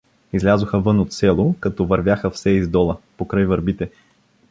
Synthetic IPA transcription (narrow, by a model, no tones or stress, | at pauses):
izlʲazoxəvɤnot̪sɛlˠokɐt̪ɔvɐɾvʲjaxəfsɛizd̪ɔlˠəpokɾajvəɾbit̪ɛ